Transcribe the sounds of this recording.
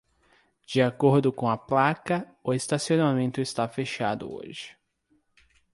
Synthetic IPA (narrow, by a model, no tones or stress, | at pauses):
d͡ʒiakoɾd̪ʊkõɐplakɐ | ʊest̪asionamẽnt̪ʊɪst̪afeʃa̰d̪ʊ̰o̰ʒɪ̥